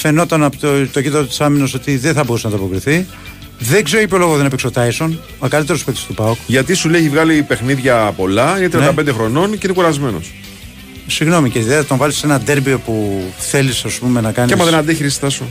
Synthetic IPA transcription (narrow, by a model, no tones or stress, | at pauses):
feno̞t̪ɐnɐpot̪t̪oʝit̪ɐot̪i̥sɐminɐso̞t̪iðeθɐbo̞ɾusenɐt̪oɐpo̞kɾiθi | ðe̞ɡze̞ɾoipolo̞ɣoðenɐpiksot̪ɐjso̞n | okɐlit̪e̞ɾopot̪ist̪upɐokʝɐt̪isuleeçivɣɐlipe̞xniðʝɐpo̞lɐinet̪ɾiɐnɐpend̪exɾo̞no̞nceinekuɾɐzme̞no̰s | siɣno̞miceiðeɐt̪oɱvɐlise̞nɐd̪eɾbio̞puθe̞lisɐspume̞nɐkɐniɐmɐðenɐnd̪eçiɾisi̥t̪ɐsu